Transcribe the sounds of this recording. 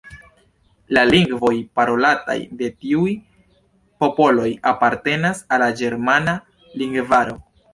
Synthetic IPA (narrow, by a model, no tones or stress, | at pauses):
laliŋɡvo̞jpaɾo̞lata̰jde̞tiuj | po̞po̞lo̞japaɾte̞nasalad͡ʒe̞ɾmana | liŋɡvaɾo̞